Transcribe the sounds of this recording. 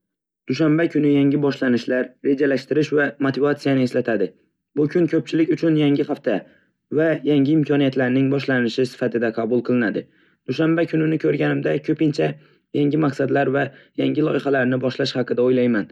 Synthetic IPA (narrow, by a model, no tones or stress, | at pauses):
d̪̥ʊʃambakʲʰʊnɪjaŋɪbɒʃlanɪʃlaɾɾe̞d͡ʒalaʃt̪ɪɾɪʃvamot̪ʰɪvat̪sijanɪe̞slat̪ʰad̪ɪ | bʊkʲʰʊŋkʰɵp̚t͡ʃʰɪlɪkʲʊt͡ʃʰʊnjaŋʲɪχaft̪ʰa | vajaŋɪːmkʲʰɒnijat̪laɾnɪŋbɒʃlanɪʃɪsɪ̥fat̪ʰɪd̪aqʰɑbʊlˠqʰɨlˠɪnad̪ɪ | d̪̥ʊʃambakʲʰʊnɪnɪkʲʰɵɾɡʲanɪmd̪akʲʰɵpɪnt͡ʃʰa | jaŋɡʲɪmaqsad̪laɾvajaŋɡʲɪlˠɒʔɪχalaɾnɪbɒʃlaʃhɑqɨd̪aojlajman